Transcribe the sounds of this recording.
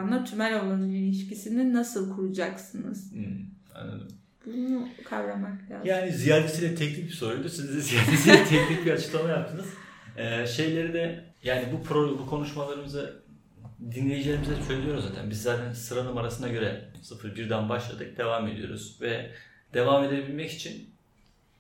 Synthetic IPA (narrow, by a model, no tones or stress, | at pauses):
nˠat̪ʰymælʲo̞lˠanɯilʲiʃcisininasɯlˠkʰuɾud͡ʒaksɯnɯz̥ | a̰nːˠa̰d̪ɯm | b̥unukʰavɾamaklʲa̰ːzjaːnizijaɾd̪esʰilʲɛt̪ʰɛcnʲic̚bi̥so̞ɾujlˠd̪uosizɛzijaɾd̪esiɛt̪ʰɛcnʲic̚biat͡ʃʰɯ̥klˠamajap̚t̪ʰɯnɯz̥ɛːʃe̞jlʲe̞ɾid̪ɛ | jaːnibupʰɾobukʰo̞nuʃmalˠaɾɯmɯzɯ | d̪inlʲejid͡ʒilʲeɾimizɛsølʲijo̞ɾuzaːt̪ʰæ̰nbizːaːt̪ʰænsɯɾanɯmaɾasɯnaɟø̞ɾɛsɯfɯɾbiɾd̪ænbaʃlˠa̰d̪ɯk̚d̪e̞vame̞d̪ḭjo̰ɾṵz̥vɛ | d̪̥e̞vame̞d̪ebilʲmɛci̥t͡ʃʰin